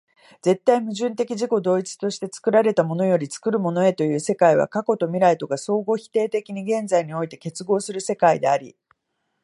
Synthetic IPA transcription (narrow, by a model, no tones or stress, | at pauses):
d͡ze̞t̪ːaimɯ̟ʑɨ̃nt̪e̞kʲiʑiko̞d̪o̞ːit͡sɨ̥t̪o̞ɕi̥t̪e̞t͡sɨ̥kɯ̟ɾaɾe̞t̪amo̞no̞jo̞ɾʲit͡sɨ̥kɯ̟ɾɯ̟mo̞no̞e̞t̪o̞jɯ̟ːse̞kaiβa̰kako̞t̪o̞mʲiɾait̪o̞ɡaso̞ːɡo̞çi̥t̪e̞ːt̪e̞kʲiɲ̟iɡẽ̞nd͡zaiɲ̟io̞it̪e̞ke̞t͡sɨɡo̞ːsɨɾɯ̟se̞kaid̪e̞̰aɾʲḭ